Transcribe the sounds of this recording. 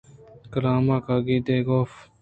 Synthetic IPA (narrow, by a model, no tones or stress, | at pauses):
kəɾaːmaːkaːɡiːd̪eːɡoːf